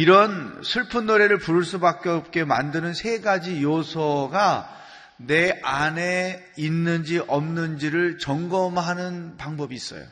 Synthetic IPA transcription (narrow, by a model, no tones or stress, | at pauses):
iɾʌnsʰɯɭpʰunːoɾe̞ɾɯɭpuɾɯɭs͈ubak͈eop̚k͈e̞ma̰ndɯnɯnsʰe̞ɡad͡ʑijosʰʌɡa | ne̞ane | inːɯnd͡ʑiʔʌmnɯnd͡ʑiɾɯɭt͡ɕʌŋɡʌmɦanɯnpaŋbʌbiːs͈ʌ̰jo̰